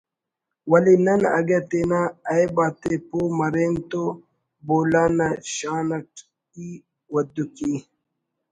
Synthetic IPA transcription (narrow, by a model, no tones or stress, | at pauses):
wɐlinɐnɐɡet̪eːnaɐjbaːt̪epoːmɐɾeːnt̪o | boːlaːnaɕaːnɐʈ | ki | wɐd̪uki